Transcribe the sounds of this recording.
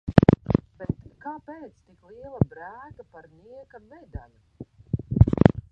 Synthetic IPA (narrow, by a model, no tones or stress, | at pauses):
bɛt̪kaːpeːt̪st̪ikliɛlˠabɾæːk̪apaɾniɛkamvɛd̪a̰lʲu